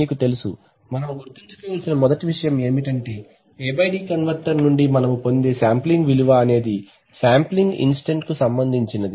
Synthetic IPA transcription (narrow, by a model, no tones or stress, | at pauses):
iːkut̪e̞lusṵ | mɐnɐmuɡuɾt̪iɲt͡ʃu̥kɔːʋɐlsinɐmɔd̪ɐʈiʋiʂɐjɐme̞ːmiʈɐɳʈe̞ː | eːbɐjɖiːkɐnʋɐɾʈɐɾnuɳɖimɐnɐmupo̞nd̪eːsaːmpliŋɡʋiluʋɐːne̞ːd̪i | saːmpliŋɡḭnsʈeɳʈkusɐmbɐnd̪ʱiɲt͡ʃinɐd̪i